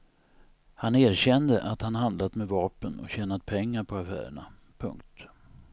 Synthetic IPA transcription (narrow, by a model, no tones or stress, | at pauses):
haneːɾɕɛnd̪əʔat̪hanɦand̪lat̪mɛvɑːpənɔ̰ɕɛːnat̪pʰɛŋːaɾpʰɔafæ̰ːɾə̰ɳa̰ | pʰɵ̰ŋkt̪